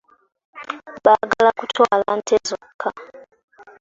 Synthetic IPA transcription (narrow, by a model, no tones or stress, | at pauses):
baɡalakutʰwalan̩tʰezɔkʰːa